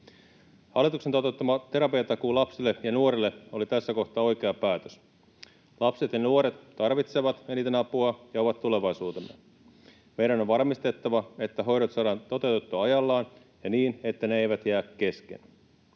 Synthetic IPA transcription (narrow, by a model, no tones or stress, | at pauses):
hɑlːˑit̪ukse̞nt̪ot̪ːɑmɑt̪e̞ɾɑpiɑt̪ɑkulɑpsilːejɑnuo̞ɾelːe̞o̞lit̪æsːæko̞ht̪ˑɑːo̞jk̟e̞ɑpæːt̪øs | lɑpse̞t̪jɑnuo̞ɾe̞t̪ːɑrʋit̪se̞ʋɑt̪eniːt̪enɑpuɑjɑo̞ʋɑt̪tːule̞ʋɑjsuːt̪emːḛ | me̞jɾæno̞ʋʋɑrmist̪e̞t̪ːɑʋɑe̞t̪ːæɦo̞jɾot̪sɑːdɑːnt̪o̞t̪e̞uwt̪et̪ːuɑjɑlːɑːn | jɑniːne̞t̪ːæneejʋæt̪jæːkke̞skḛn